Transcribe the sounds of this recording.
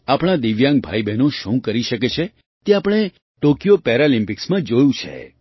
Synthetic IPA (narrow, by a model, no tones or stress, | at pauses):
apɽ̃ad̪iʋjãŋɡ̚bʱa̰ibenũʃũkəɾiʃək̬et͡ʃʰe | t̪eapəɽ̃e | ʈokijopɛɾalĩmpɪksmãd͡ʒojũt͡ʃʰḛ